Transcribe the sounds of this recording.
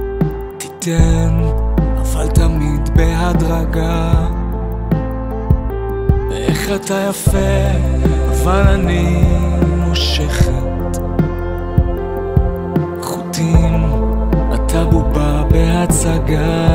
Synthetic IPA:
t̪i̥tenavaltamid̪beɦadʁaɡa | vḛʔeχatajafe | avalani | moʃeχet | χut̪im | a̰t̪ʰahubabeɦat͡saɡa

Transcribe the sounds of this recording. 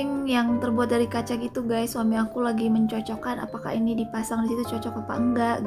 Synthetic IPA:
ɪŋjaŋt̪ərbuat̪̚daɾikat͡ʃakit̪uɡajsswamiakulaɡiməɲt͡ʃɔt͡ʃɔkana̰paka̰inidipasaŋdisit̪ut͡ʃɔt͡ʃɔk̚apa̰əŋɡaʔɡ

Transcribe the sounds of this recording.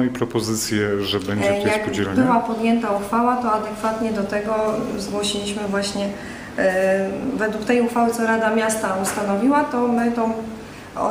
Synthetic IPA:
ipɾɔpɔzɘt̪sʲjɛʐɛbɛɲjakuɛbɘwapɔd̪jɛnt̪auxfawat̪ɔad̪ɛkfat̪ɲɛd̪ɔt̪ɛɡɔzɡwɔɕilʲiɕmɘvwaɕɲɛ | vɛd̪wukt̪ɛjuxfawɘt̪sɔɾad̪amʲjast̪aust̪anɔvʲiwat̪ɔmɘt̪ɔ̃ | ɔ̰

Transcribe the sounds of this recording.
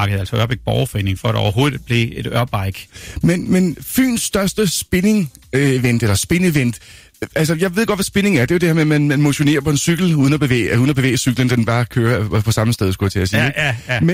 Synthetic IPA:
ɑɡ̥əð̩ˠælsɒɶɐb̥eɡ̥̚b̥ɒʊfɒe̝̰ːneŋfɒæɾɒ̰ʊɐɦo̝ːðˠi̥b̥le̝e̝ɾ̥ɶɐb̥ɑ̈ɪɡ̥menmenfy̰ːnsːd̥ɶɐsd̥əsb̥e̝ne̝ŋ | eʋen̰d̥elɐsb̥e̝neʋen̰d̥ | æls̬ɐjɑ̈ɪʋe̝ðˠɡ̥ɒ̽d̥ʋæsb̥e̝ne̝ŋæɐd̥e̝ode̥eɐmemænmænmo̝ɕo̝ne̝̰ɐpʰɒ̽e̝nsyɡ̥l̩uðˠnɐb̥e̝ʋḛːuːðˠn̩ɐb̥e̝ʋḛːəsyɡ̥lənd̥enb̥ɑ̈ːkʰøːɐpʰɒ̽sɑ̈məsd̥eð̞ˠsɡ̥ujæt͡sʰe̝æsiːme

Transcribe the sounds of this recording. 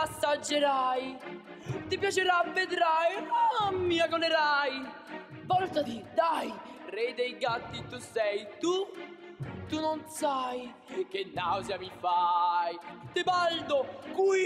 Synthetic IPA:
asːad͡ʒːeɾaj | t̪ipjat͡ʃeɾavːed̪ɾajamːiakonɛɾaj | vɔlt̪at̪id̪aj | rɛd̪ejɡat̪ːit̪usɛjt̪u | t̪unonsaj | kenːawzjamifajt̪ɪbald̪okwi

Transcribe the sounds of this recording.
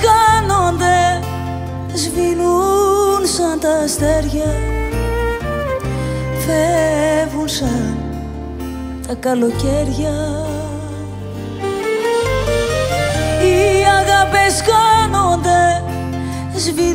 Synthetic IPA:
kɐnond̪e̞ | zvinunsɐnt̪ɐst̪e̞ɾʝɐ | fevunsɐn | t̪ɐkɐlo̞ce̞ɾʝɐ | iɐɣɐpeskɐno̞nd̪e̞ | zvi

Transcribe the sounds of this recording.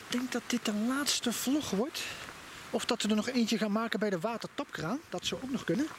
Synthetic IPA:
d̥ɛŋk̚dɑt̚d̥ɪt̚dənlaːtstəv̥lɔχʋɔɹt | ɔfdɑtʋədənɔχejncəχaːnmaːkənbɛjdəʋaːtəɹtɑpkraːnd̥ɑtsɔwowknɔχkɵnən

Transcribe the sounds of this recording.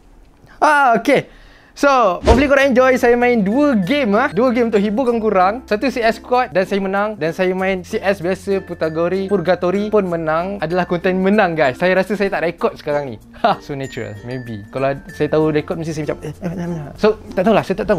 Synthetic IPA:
aoke | sopɔblikuɾaŋɛɲd͡ʒɔjsajamãɪnduəɡemahduəɡemunt̪ʊʔɦibukaŋkuɾaŋsat̪usiɛskwɔt̪̚dansajamənãŋdansajamãɪnsiʔɛsbiasəput̪aɡɔɾipurɡat̪oɾipʊnmə̃nãŋadalahkɔnt̪ɛnmə̃nãŋɡajsːajaɾasəsajat̪aʔdaikɔt̪̚sə̥kaɾaŋnḭ | asonat͡ʃuɾə̰lmẽbḭkalasajat̪audaikɔt̪̚must̪isajamat͡ʃamnãmnasot̪aʔt̪aulahsajat̪aʔt̪aɦu

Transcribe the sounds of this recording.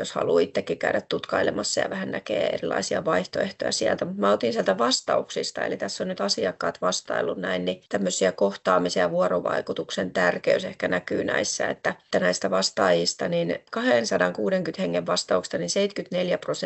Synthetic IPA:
joshɑ̰luːit̪ːekːikæyɾæt̪t̪ut̪kɑilemɑsːɑjɑ̰ʋæhænnækḛːḛrilːˑɑ̰isiɑ̰ʋɑiht̪oeht̪ojɑ̰siælt̪æmut̪mæːot̪insiælt̪æʋɑst̪ɑuksist̪ɑḛlit̪æsːonnyt̪ɑsiɑkːɑ̰ːt̪ʋɑst̪ɑ̰ilːunnæinnit̪æmːøsːiækoht̪ɑːmisejɑʋuɑroʋɑ̰ikut̪uksent̪ærkeysehkænækyːnʔæ̰isːæ̰ḛt̪ːæt̪ːænæist̪æʋɑst̪ɑːjist̪ɑninkɑhensɑdɑŋkuːdeŋkyt̪heŋːeʋʋɑst̪ɑukst̪ɑninseit̪kyt̪neljæpros

